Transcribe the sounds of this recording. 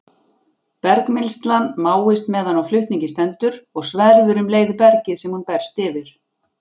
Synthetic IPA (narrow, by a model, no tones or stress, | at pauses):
pɛɾkmɪlst̪lanmaːwɪst̪mɛðanawflʏht̪niɲcɪst̪ɛnt̪ʏɾɔɣsvɛɾvʏɾʏmleːjðʏpɛɾcɪðsɛmhunpɛɾ̥st̪ɪvɪɾ̥